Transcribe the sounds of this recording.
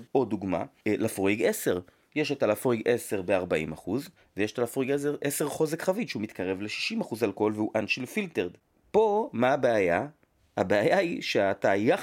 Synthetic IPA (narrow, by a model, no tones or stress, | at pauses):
o̞duɡma̰lʔafʁiɡese̞ʁ | jeʃetalafʁiɡʔe̞se̞ʁbe̞aʁbaḭmaχuz | vejeʃtalafʁiɡes̬eʁʔeseʁχo̞zekχaviʃeumit̪kʰaʁe̞vle̞ʃi̥ʃimaχuzalko̞lveuʔanʃilfilteʁd̪ | po̞maːbeaja | a̰beajaiʃeataja